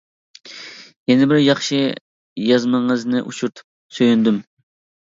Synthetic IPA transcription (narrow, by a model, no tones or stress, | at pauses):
jɛnɪbɪɾjɑχʃɨ | jɑzmɨɴəznɨʔut͡ʃʰuɾt̪ʰu̥p̚ | søjynd̪ym